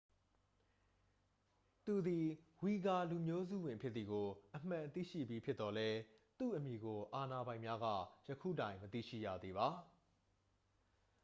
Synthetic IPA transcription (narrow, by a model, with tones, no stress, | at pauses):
t̪u˨d̪i˨ | wi˨ɡa˨lu˨mjo˦zṵ˦˨wɪ̃˨pʰjɪ˦t̪θi˨ɡo˨ʔəm̥ã˨t̪ḭ˦˨ʃḭ˦˨bji˦pʰjɪ˦t̪ːɔ˨lɛ˦t̪ṵ˦˨ʔəmji˨ɡo˨ʔa˨na˨bã˨ɪ̃mja˦ɡä̰˦˨jəkʰṵ˦˨tã˨ɪ̃mət̪ḭ˦˨ʃḭ˦˨jä̰˦˨d̪ðe˨βa˦